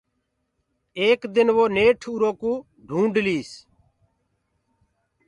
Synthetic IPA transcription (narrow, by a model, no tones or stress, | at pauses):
eːkd̪ɪnʋoːneːʈʰuːɾoːkũː | ɖʱũːɳɖliːs